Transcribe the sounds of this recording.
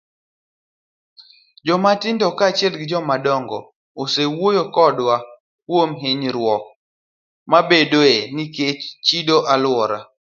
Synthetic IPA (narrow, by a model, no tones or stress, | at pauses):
d͡ʒɔmatɪndɔkat͡ʃjɛlɡɪd͡ʒɔmadɔŋɡɔ̰ | osewojokɔdwa | kwomɦɪɲɾwɔk̚ | mabedoeniket͡ʃt͡ʃidoʔalwɔɾa̰